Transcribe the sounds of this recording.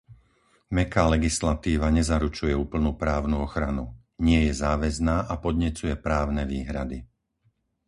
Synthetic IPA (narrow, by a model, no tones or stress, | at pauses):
mɛkaːlɛɡislat̪iːʋaɲɛzaɾut͡ʃujɛuːpl̩nuːpɾaːʊnuɔxɾanu | ɲɪɛjɛzaːʋɛznaːʔapɔd̪ɲɛt͡sujɛpɾaːʊnɛʋiːɦɾad̪i